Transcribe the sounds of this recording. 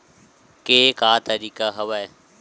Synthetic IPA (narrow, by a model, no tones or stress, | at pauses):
keːkaːt̪əɾiːkaɦɐʋae